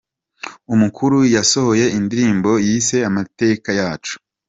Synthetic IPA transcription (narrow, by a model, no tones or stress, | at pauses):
umukʰuɾujaso̞ho̞je̞ʔindiɾiːmbo̞jiːse̞amate̞kajaːt͡ʃu̥